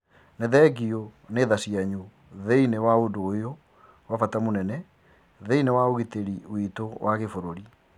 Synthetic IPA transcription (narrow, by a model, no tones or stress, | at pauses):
neðɛɡioneðasiaɲu | ðeinewaodoːjo | wafatamonɛnɛ | ðeinewaoɣiteɾiwitowʔaɣefoɾoɾi